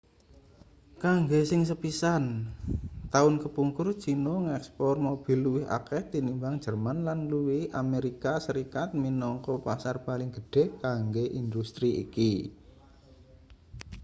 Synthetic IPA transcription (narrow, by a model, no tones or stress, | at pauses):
kaŋɡesɪŋs̬əpisan | t̪aʊnkəpuŋkʊr̥t͡ʃinoŋɛkspɔrmob̥i̤lːuwɪɦa̰kɛht̪inimbaŋ̥d͡ʒ̥ərmanlanluwɪhʔameɾikasəɾikat̪̚minɔŋkɔpasarpalɪŋɡ̥əɖ̥ɛ̤kaŋɡeʔind̪ust̪ɾiḭki